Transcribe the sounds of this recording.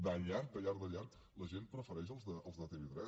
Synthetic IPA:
d̪əʎaɾt̪əʎaɾd̪əʎaɾt̪ | ləʒen̚pɾəfəɾɛʃəlˠzðəːlˠzðət̪eβet̪ɾɛ

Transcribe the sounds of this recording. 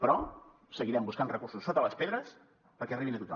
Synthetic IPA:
pɾɔ | səɣiɾɛmbuskanrəkursusːot̪ələspeðɾəs | pəɾkɛəriβinət̪ut̪ɔ̰

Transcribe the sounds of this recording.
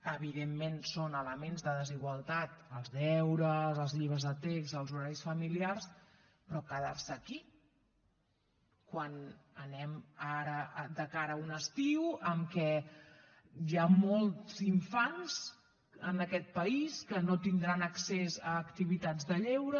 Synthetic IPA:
əβiðemːensonələmenzðəðəziɣwəlˠt̪at̪əlˠzðɛwɾəzəlˠzʎiβɾəzðət̪ekzəlˠzuɾaɾisfəmiliars | pɾɔkəðarsəki | kwanənɛmaɾəd̪əkaɾəunəst̪iwəmkɛ | jamolˠt̪ziɱfanz̥ | ənəkɛt̪̚pəiskənot̪ind̪ɾanəksezəːkt̪iβ̞it̪ad͡zðəʎɛwɾə

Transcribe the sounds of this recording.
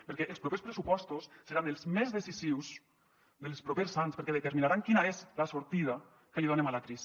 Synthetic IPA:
pəɾkɛʔəlˠspɾopespɾəsupɔst̪usːəɾanəlˠzmɛzðəsisiws | ðəlˠspɾopesanspəɾkɛðət̪əɾminaɾaŋkinaezlasuɾt̪ið̞a | kəliðonemalakɾis

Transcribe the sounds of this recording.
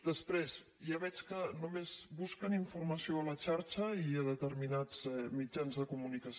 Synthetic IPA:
d̪əspɾez | jaβɛt͡ʃkənumezβuskəniɱfurməsioələt͡ʃaɾt͡ʃəiəðət̪əɾminad͡zɛmid͡ʒanzðəkumunikəs

